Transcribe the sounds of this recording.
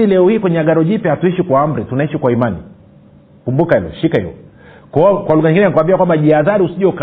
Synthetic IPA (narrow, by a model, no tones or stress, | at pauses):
ilɛɔhiːkwɛɲɛaɡaɾɔʄipjɛhatuiʃikwaːm̩ɾitunaiʃikwaimanḭ | kumbukaɛlɔ̰ʃikaḭwɛ̰ | kɔkwaluŋɡaɲiŋɡinɛnikuwambiakwambaʄiaðaɾiusiʄɔka